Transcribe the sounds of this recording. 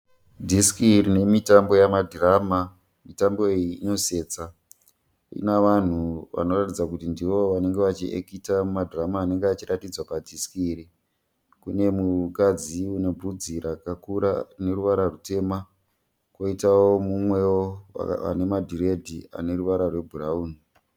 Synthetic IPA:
dʱiskirine̞mitambo̞jamadirama | mitambo̞ejiːno̞se̞ːt͡sa | ḭnaʋan̤uʋa̰no̞ratid͡zakutindiʋo̞ʋane̞ŋɡe̞ʋat͡ʃiʔḛkitamadʱiramaːne̞ŋɡeat͡ʃiratid͡zwapadʱiskiɾi | kune̞mukad͡ziune̞b͡vud͡ziɾakakuɾa̰ne̞ɾuʋaɾarute̞ma | kwoitawo̞mumwe̞o̰a̰ne̞madʱiɾe̞dʱia̰ne̞ɾuʋaɾarwe̞bʱurauːni

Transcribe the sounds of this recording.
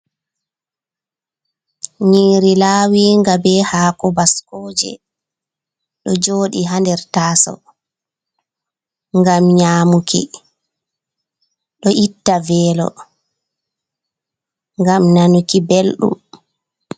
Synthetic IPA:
ɲiːɾilaːwiŋɡabɛhaːkɔbaskɔːd͡ʒɛ̰ | ɗɔd͡ʒoːɗiɦandɛɾtaːsɔ̰ | ŋɡamɲaːmukḭ | ɗɔʔitːavɛːlɔ̰ | ŋɡamnanukibelɗṵm

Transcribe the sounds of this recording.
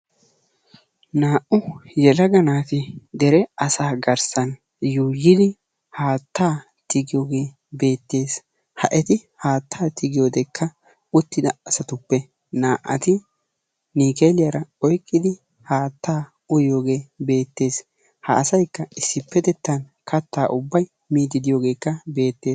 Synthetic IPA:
naːʔʊjɛlɐɡɐnaːt̪ɪd̪ɛɾɛɐsaːɡɐɾsɐn | juːjːɪd̪ɪ | haːt̪ːaː | t̪ɪɡɪjoːɡe̞ː | be̞ːt̪ːe̞ːs | hɐʔɛt̪ɪhaːt̪ʰːaːt̪ɪɡɪjoːd̪ɛkʰːɐ | ʊt̪ːɪd̪ɐɐsɐt̪ʊpːɛ | naːʔɐt̪ɪ | niːkeːlɪjaɾɐɔjkʼːɪd̪ɪ | haːt̪ːaː | ʊjoːɡe̞ːbe̞ːt̪ːe̞ːs | hɐːsɐjkːɐɪsːɪpːɛt̪ɛt̪ːɐn | kɐt̪ːaːʔʊbːɐj | miːd̪ɪd̪ɪjoːɡe̞ːkːɐbe̞ːt̪ːeː

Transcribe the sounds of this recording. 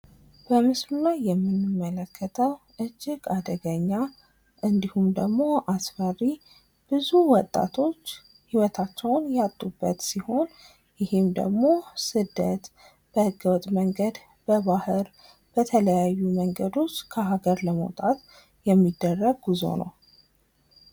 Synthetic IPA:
b̥əmɨslulajːɛmːɨnɨmːələkʰːət̪ʰəw | ʔɨd͡ʒːɪɡad̪əɡəɲːa | ʔɨnd̪ihumd̪əɡmo̞ʔasfərːi | b̥ɨzuwɔt̪ʼːa̰t̪ʰo̞t͡ʃː | hiwɔt̪ʰat͡ʃːɛwnjat̪ʼːubːə̰t̪siho̞n | jɪhɪmd̪ə̰ɡmo̞sɨd̪ːət̪ | b̥əhɨɡəwɔt̪ʼməŋɡəd̪ | b̥əβahɨɾ | b̥ət̪ʰələjajːuməŋɡəd̪o̞t͡ʃːkʰəɦaɡəɾləmə̰wt̪ʼat̪ | jɛmːid̪ːərːəɡɡuzo̞̰nə̰w

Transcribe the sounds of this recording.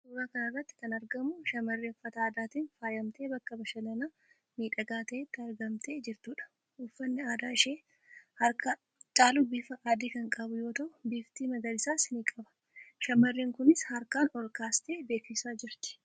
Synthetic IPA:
uːɾaːkɐnɐrːɐt̪ːɪ̥kɐnɐɾɡɐmʊʃɐmɐrːiɔfːɐt̪ɐaːd̪aːt̪iːnfaːjɐmt̪e̞ːbɐkːɐbɐʃɐnɐnaː | miːᶑɐɡaːt̪ɐʔet̪ːɪɐɾɡɐmt̪ʰe̞ːd͡ʒɪɾt̪uːᶑɐ̥ | ʔʊfːɐnːɪaːd̪aːɪʃe̞ː | hɐɾkɐ | t͡ʃʼaːlubiːfɐʔaːd̪iːkɐŋkʼɐbʊjo̞ːt̪ɐʔʊbiːft̪iːmɐɡɐlɪsaːsɪniːkʼɐbɐ̥ | ʃɐmɐrːiːŋkʊnɪshɐɾkaːnɔlkaːst̪e̞ːbe̞ːkːɪsaːd͡ʒɪɾt̪ɪ̥

